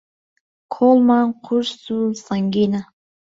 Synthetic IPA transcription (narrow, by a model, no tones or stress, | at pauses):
kʰolˠmanqʰuɾsusaŋɡʲina